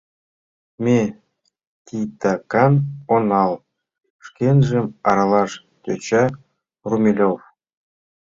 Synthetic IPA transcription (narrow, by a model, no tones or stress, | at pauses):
mʲe | t̪ʲit̪ɑkɑnonɑlˠ | ʂkʲenʲʐĕmɑɾɑlˠɑʃ | kʲøt͡ɕɑ | rumʲilʲof